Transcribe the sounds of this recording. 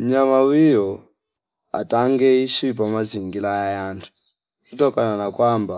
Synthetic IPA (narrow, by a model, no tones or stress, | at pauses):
m̩ɲamawijɔ | a̰taŋɡɛiʃip̬amaziŋɡilajajantʰu̥ | kutɔkananakwamba